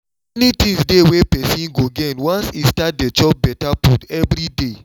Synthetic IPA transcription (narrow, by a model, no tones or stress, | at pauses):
ɛnitĩŋsdewepɛsĩnɡoɡɛnwãnsistat̚det͡ʃɔp̚bɛtaputɛvɾide